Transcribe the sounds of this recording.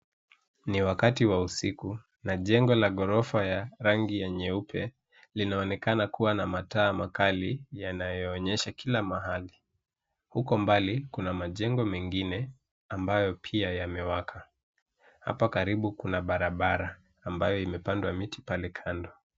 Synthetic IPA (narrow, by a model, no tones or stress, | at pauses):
niwakatiwausiku | naʄɛŋɡɔlaɠɔɾɔfajaɾaŋɡijaɲɛupʰɛ | linaɔnɛkanakuwanamataːmakalijanajɔːɲɛʃakʰilamaɦali | hukɔmbalikunamaʄɛŋɡɔmɛŋɡinɛ | ambajɔpʰiajamɛwakʰa | ha̰pakaɾiɓukunaɓaɾaɓaɾaː | mbajɔimɛpandwamiti̥palɛkʰandɔ